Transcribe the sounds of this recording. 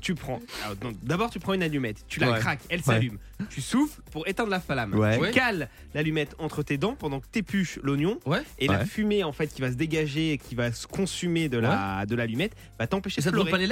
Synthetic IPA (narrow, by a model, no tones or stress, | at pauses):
t̪ypχɑ̃ɔ̃d̪abɔʁt̪ypχɑ̃ynalymɛt̪ːylakχakɛlsalym | t̪ysuflpuʁet̪ɑ̃d̪ʁlafalamwɛtykal | lalymɛt̪ɑ̃t̪χət̪ed̪ɑ̃pɑ̃d̪ɑ̃kə̥t̪epyʃlɔnjɔ̃wɛelafymeɑ̃fɛt̪̚kʲivas̬əd̪eɡaʒeːkʲivasə̥kɔ̃symed̪əlad̪əlalymɛt̪ | vat̪ɑ̃peʃed̪flɔʁepale